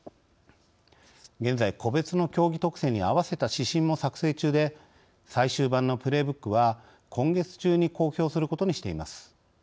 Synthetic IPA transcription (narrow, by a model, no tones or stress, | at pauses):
ɡẽ̞nd͡zaiko̞be̞t͡sɨno̞kʲo̞ːɡʲit̪o̞kɯ̟̥sẽ̞ɲ̟iaβase̞t̪aɕiɕĩmmo̞sakɯ̟̥se̞ːt͡ɕɨːd̪e̞ | saiɕɨːbãnːo̞pɯ̟ɾe̞ːbɯ̟kːɯ̟βa | kʰõ̞ŋɡe̞t͡sɨ̥t͡ɕɨːɲ̟iko̞ːçʲo̞ːsɨɾɯ̟ko̞t̪o̞ɲ̟iɕi̥t̪e̞imasɨ̥